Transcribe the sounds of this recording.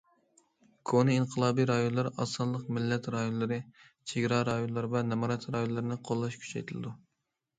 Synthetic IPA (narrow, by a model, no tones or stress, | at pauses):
kʰonɨinqʰəlˠɑːbijɾɑjonlˠɑɾɑ̰sɑnlˠəqmɪlːɛt̪ɾɑjonlˠɨɾɨ | t͡ʃʰeɡʲɾɑɾɑjonlˠɑɾvɛnɛmɑɾɑt̪ɾɑjonlˠɨɾɨnɨqʰolˠːɑʃkʲʰy̥t͡ʃʰɛ̰jt̪ʰɪlɨ̰d̪u